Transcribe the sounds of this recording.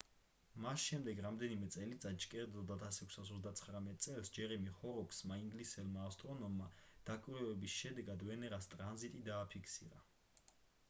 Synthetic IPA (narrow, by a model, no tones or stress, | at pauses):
masʃɛmd̪ɛɡɾamd̪ɛnimɛt̪sʼɛlit̪sʼat͡ʃkʼɛɾd̪ɔd̪at̪ʰasɛkʷʰsasɔzd̪at̪sʰχɾamɛt̪ʼt̪sʼɛlsd͡ʒɛɾɛmiχɔɾɔksmaiŋɡlisɛlmaːfst̪ʼɾɔnɔmːad̪̥akʼwiɾɛvɛbisʃɛd̪ɛɡad̪vɛnɛɾast̪ʼɾanzit̪ʼid̪aːpʰikʰsḭɾa